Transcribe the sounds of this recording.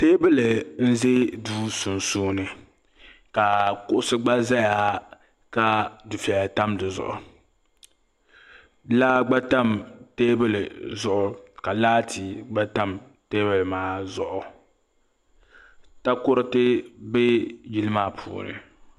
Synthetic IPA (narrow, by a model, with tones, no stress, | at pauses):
teː˦bɨ˦lɨ˨n̩˦ze˦duː˦su˨n˨suː˦nɨ˨ | ka˨kʊ˦ʔʊ˦sɨ˦ɡ͡ba˦za˦ja˦ | ka˦dʊ˨fɛ˨lta˦mdɨ˨zʊ̰˨ʔʊ˨ | la˦ɡ͡ba˦ta˦mteː˦bɨ˦lɨ˨zʊ˦ʔʊ˨ka˨laː˦tʰi˨ɡ͡ba˦ta˦m | teː˦bɨ˦˨lmaː˦zʊ˨ʔʊ˨ | ta˦kʊ˦ɾɨ˦tɪ˦be˦ji˦lɨ˦maː˦˨pʰṵː˨nɨ̰˨